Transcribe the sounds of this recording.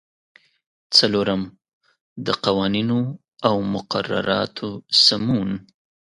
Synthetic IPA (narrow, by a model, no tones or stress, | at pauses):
t͡saloɾam | d̪əqawɑnino | awmʊqara̰ɾɑ̰t̪ʰosamun